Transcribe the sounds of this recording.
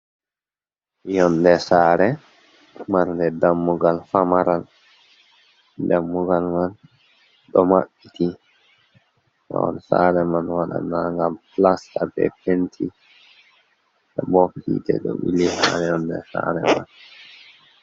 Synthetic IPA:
jɔndɛsaːɾɛ | maɾndɛdamːuɡalfamaɾal | damːuɡalman | ɗɔmaɓːiti | ma̰wɔ̰nsa̰ɾɛmanwaɗa̰naŋɡamplastabɛ̰pentʰi | ɗɛbɔfḭdɛ̰ɗɔ̰wḭlihaɾɛjɔndɛ̰sa̰ːɾɛ̰man

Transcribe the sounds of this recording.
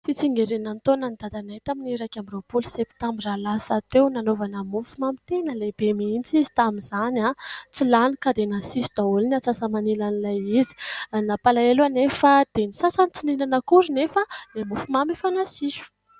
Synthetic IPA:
fit͡siŋɡeɾenant̪onand̪ad̪anaɦit̪aminɾakambiropulsept̪ambiralasat̪ewnanovanəmufumamit̪enəleb̥emiint͡sizi̥t̪amizanat͡silanikad̪enasisu̥d̪̥aulinat͡sasamanilanilajizi̥napalaeluanefad̪̥enisasant͡sininanəkuɾunefəlemufumamifanasisu̥

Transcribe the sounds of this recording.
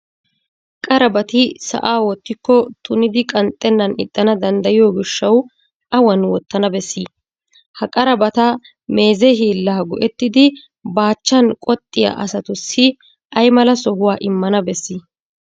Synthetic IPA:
kʼɐɾɐbɐt̪ɪsɐ̰ʔaːwɔt̪ːɪkːɔt̪ʰʊnɪd̪ɪkʼɐnt̪ʼːɛnːɐnɪ̰t̪ʼːɐnɐd̪ɐnd̪ɐjɪjoːɡɪʃːɐw | ʔɐwɐnwɔt̪ːɐnɐbɛsːi | hɐkʼɐɾɐbɐt̪ɐ | me̞ːzɛɦiːlːaːɡɔʔɛt̪ːɪd̪ɪ | baːt͡ʃːɐnkʼɔt̪ʼːɪjɐ̰ʔɐ̰sɐt̪ʊsːɪ | ʔɐjmɐlɐsɔɦʊwaːʔɪmːɐnɐbɛsːi

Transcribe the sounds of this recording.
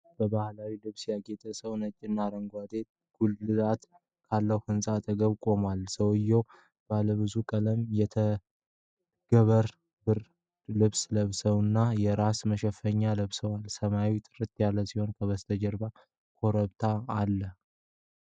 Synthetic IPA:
b̥əbahlawilɨβsjaɡet̪ʼəsəwnət͡ʃʼːɪnːaɾəŋɡʷad̪e̞t̪ | ɡ̥ulːɨlat̪ | kʰalːəwhɨnsʼat̪ʰʼəɡəβkʼo̞malsəwɨjːɛw | b̥aləβɨzukʼələmjɛt̪ʰə | ɡ̥əβəɾ | bɨɾ | lɨβsləβsəwɨnːajɛɾasməʃɛfəɲːaləβsəwalsəmawit̪ʼɨɾɨt̪ʼjalːəsiho̞nkʰəβəst̪ʰəd͡ʒəɾba | kʰo̞ɾəβt̪ʰaːlːə

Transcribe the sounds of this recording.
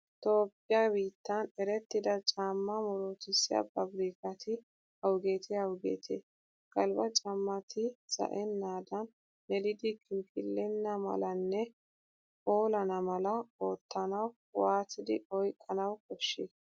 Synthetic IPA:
t̪o̞ːpːɪjaːbiːt̪ːɐnɛɾɛt̪ːɪd̪ɐt͡ʃʼaːmːɐmɔɾoːt̪ɪsːɪɐ̰bɐbɾiːkɐt̪ʰɪ | hɐwɡe̞ːt̪ɪhɐwɡḛːt̪ʰḛː | kʼɐlbɐt͡ʃʼɐmːɐt̪ʰɪsɐ̰ʔɛnːaːd̪ɐn | ɛlɪd̪ɪkɪnkʼɪlːɛnːɐmɐ̰lɐnːɛ | po̞ːlɐnɐmɐlɐo̞ːt̪ːɐnɐw | waːt̪ːɪd̪ɪ̰ɔjkʼːɐnɐwkɔʃːeː

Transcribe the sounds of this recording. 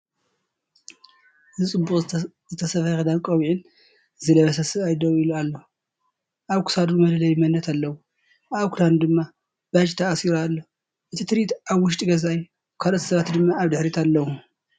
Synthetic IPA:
ɨzɨt͡sʼɨbːuχʼ | zɨt̪ʰɐsɐfɐxɐd̪ankʼɐwiʕɪn | zɨlɐβɐsɐsɨβajd̪owilualːo | ʔaβkʰɨ̥sad̪ɾumɐlɐlɐjmɐnːɐt̪ʰalːɐwu | aβkʰuland̪ɨmːa | b̥at͡ʃʼt̪ʰɐʔasiɾalːo | ʔɨt̪ʰit̪ʰɨɾit̪aβwʊʃ̬t̪ʼiɡɐzaj | kʰalot̪ʰsɐβat̪d̪ɨmːaːβd̪ɨħɾit̪ʰalːɐwu

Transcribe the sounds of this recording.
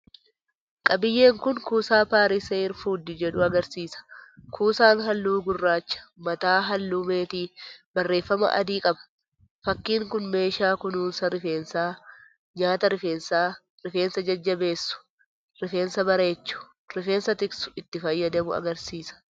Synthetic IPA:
kʼɐbɪjːe̞ːŋkʊnkuːsaːpaːɾɪseɪɾfuːd̪ɪd͡ʒɛᶑʊɐɡɐɾsiːsɐ̥kʰuːsaːnɦɐlːuːɡʊrːaːt͡ʃːɐ̥mɐt̪aːɦɐlːumeːt̪iːbɐrːe̞ːfːɐmɐ̰ʔɐ̰d̪iːkʼɐbɐ̥ | fɐkːiːŋkʊnme̞ːʃaːkʊnuːnsɐɾɪfeːnsaː | ɲaːt̪ɐɾɪfe̞ːnsaː | ɾɪfe̞ːnsɐd͡ʒɐd͡ʒːɐbe̞ːsːʊ̥ | ɾɪfe̞ːnsɐbɐɾe̞ːt͡ʃːʊ̥ | ɾɪfe̞ːnsɐt̪ɪksʊ̥ɪt̪ːɪfɐjːɐd̪ɐmʊɐ̰ɡɐɾsiːsɐ̥

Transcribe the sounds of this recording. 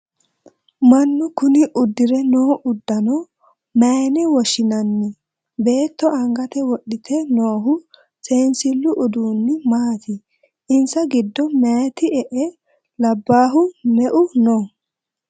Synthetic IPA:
mɐnːʊkʊnɪʔʊd̪ːɪɾɛnoːʔʊd̪ːɐnɔ | mɛnɪwɔʃɪnɐnːɪ | be̞ːt̪ːɔɐŋɡɐt̪ɛwɔɗɪt̪ʰɛnoːɦʊ | se̞ːnsɪlːʊʔɔd̪uːnːɪmaːt̪ʰɪ | ɪnsɐɡɪd̪ːɔmɛjt̪ɪɛʔɛ | lɐbːaːɦʊmɛʔʊno

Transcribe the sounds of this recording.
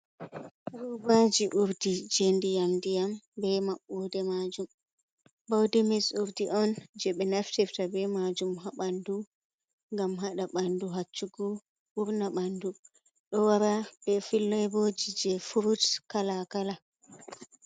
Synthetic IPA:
ɾubad͡ʒiʔuɾdid͡ʒendijamdijambɛmaɓːudɛmad͡ʒum | bawdɛmɛsuɾdiʔɔnd͡ʒɛɓɛnaftɛftabɛmad͡ʒumɦaɓandu | ŋɡamɦaɗaɓanduɦat͡ʃːuɡɔ | ɓuɾnaɓandu | ɗɔwaɾabɛfilːɔjbod͡ʒid͡ʒɛfuɾutkalakala

